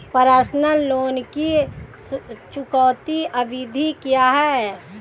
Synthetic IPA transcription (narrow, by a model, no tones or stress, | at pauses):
pəɾaːsnəlːoːnki | t͡ʃʊkɔːt̪iʔəbid̪ʱikijaɦɛ